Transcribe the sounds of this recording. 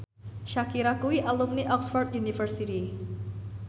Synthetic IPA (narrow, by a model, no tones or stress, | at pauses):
ʃakiɾakuwiʔalumniʔɔksfɔrt̪̚junifərsiti